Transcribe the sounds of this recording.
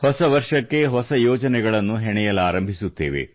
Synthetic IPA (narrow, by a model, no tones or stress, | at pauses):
hɔsɐʋɐɾʂɐkːe̞ɦɔsɐjoːd͡ʒɐnɛɡɐɭɐnːuɦɛɳɛjɐlaːɾɐmbʱisut̪ːḛːʋḛ